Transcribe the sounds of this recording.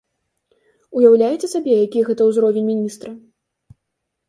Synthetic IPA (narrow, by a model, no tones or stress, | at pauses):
ujawlʲajɛt͡sʲɛsabʲɛjakʲijɣɛt̪ɐwzɾɔvʲenʲmʲinʲist̪ɾɐ